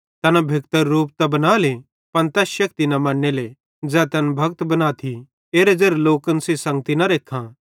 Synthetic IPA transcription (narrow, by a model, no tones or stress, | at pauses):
t̪ɐnabʱɪk̚t̪əɾːuːp̚t̪ɐbɐnaːle | pɐnt̪ɛːsʃɐk̚t̪inɐmãːɽnele | d͡zɛːt̪ɛnbʱɐɡ̚t̪bɐnaːt̪ʰi | eːɾed͡ʒeɾloːkənsesɐ̃ŋɡt̪inɐɾeːkʰã